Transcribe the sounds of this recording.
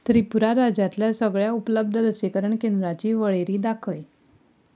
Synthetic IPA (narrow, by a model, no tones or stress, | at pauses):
t̪əɾiːpuɾaɾad͡ʑat̪ljasəɡɭjaupələb̚d̪ʱələsekəɾəɳkend̪ɾat͡ɕiːʋəɭeɾiːd̪akʰəj